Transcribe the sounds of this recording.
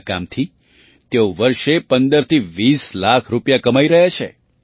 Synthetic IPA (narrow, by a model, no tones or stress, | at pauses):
ka̰mt̪ʰi | t̪eoʋəɾʃepənd̪əɾt̪ʰiʋislakʰɾupjakəmaiɾəɦjat͡ʃʰḛ